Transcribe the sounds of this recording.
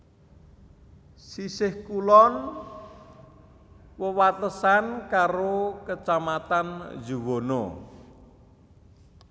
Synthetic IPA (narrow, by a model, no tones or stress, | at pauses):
sisɪhkulɔn | wəwat̪əsankaɾokət͡ʃamat̪and͡ʒuwonɔ̰